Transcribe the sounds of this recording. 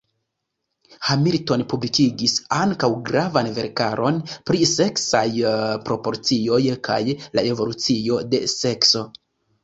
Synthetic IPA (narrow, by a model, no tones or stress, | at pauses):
hamiɾto̞npublikiɡisaŋkawɡɾavanve̞ɾkaɾo̞npɾise̞ksajpɾo̞po̞ɾt͡sio̞jkʰa̰jlae̞vo̞lut͡sio̞de̞se̞kso̞